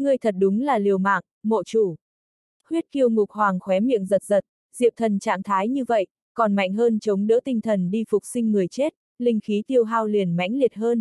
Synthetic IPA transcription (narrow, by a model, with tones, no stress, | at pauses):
ŋɨ˧˩əjt̪ʰə˨˩t̚ɗʊ˨˦ŋ͡mlaː˨˩li˨˩əwma̰ː˧˨ŋ | mo̰˧˨t͡ɕu˧˩ | hwi˦˥ət̚ki˧əwŋʊ˨˩k̚hwaː˨˩ŋxwɛ˨˦mḭ˧˨əŋzə˨˩t̚zə˨˩t̚ | zḭ˧˨əw̚t̪ʰə˨˩nt͡ɕa̰ː˧˨ŋt̪ʰaː˨˦jɲɨ˧və̰˧˨j | kɔ˨˩nma̰˧˨jŋ̟ɦəː˧nt͡ɕə˨˦wŋ͡mɗə̰˧˥t̪ï˧ŋt̪ʰə˨˩nɗi˧fʊ˨˩k͡p̚sï˧ŋ̟ːɨ˨˩əjt͡ɕe˦˥t̚ | lï˧ŋ̟xi˨˦t̪i˧əwɦaː˧wli˨˩ənma̰˧˥jŋ̟li˨˩ət̚ɦəː˧n